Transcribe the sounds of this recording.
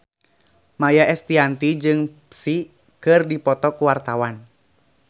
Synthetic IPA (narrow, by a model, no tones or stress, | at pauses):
majaɛst̪iant̪id͡ʒɨŋpsi | kɨrdipɔt̪ɔkuwart̪awan